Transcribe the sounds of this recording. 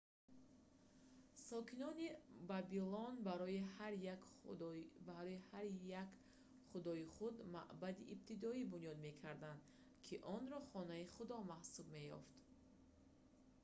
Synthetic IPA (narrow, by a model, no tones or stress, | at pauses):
sɔkʰinɔnibabilɔnbaɾɔihaɾ | baɾɔihaɾjak | χud̪ɔiχud̪ma̰ʔbad̪iʔːb̚t̪ʰid̪ɔibunijɔd̪me̞kʰaɾd̪and̪ | kʰiʔɔnɾɔχɔnaiχud̪ɔmahsub̚me̞jɔ̰ft̪